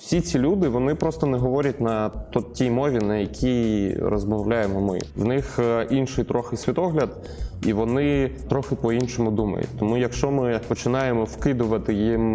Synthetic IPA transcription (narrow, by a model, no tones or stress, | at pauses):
wsʲit͡sʲilʲud̪ɪʋɔnɪpɾɔst̪ɔnɛɦɔʋɔɾʲɐtʲnɐt̪ɔtʲijmɔʋʲinɐjɐkʲʰijrɔzmɔwlʲajemɔmɪ̰ʋwnɪxinʃɪjt̪ɾʔɔxɪsʲʋʲit̪ɔɦlʲɐd̪ | iʋɔnɪt̪ɾɔxɪpɔinʃɔmʊd̪umɐ̰jʊ̰tʲt̪ɔmujɐkʃt͡ʃɔmɪpɔt͡ʃɪnɑjemɔwkɪd̪ʊʋɐt̪ɪjim